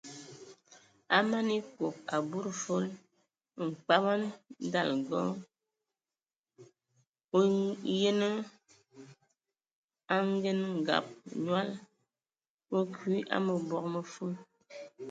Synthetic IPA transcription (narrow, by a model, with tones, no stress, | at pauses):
a̰˦ma˦ni˦ko˨k̚a˨bu˦ɾfo˦l | ŋ̩˨k͡pa˦ba˦n̩˦da˦˨lɡɔ̰˦ | o˦je˦nə˦ | a˦ŋ˦ɡe˦nŋ̩˨ɡa̰˨p̚ɲwa˦l | o˦kwi˦ʔa̰˦mə˨bɔ˦˨k̚mə˨fo˦l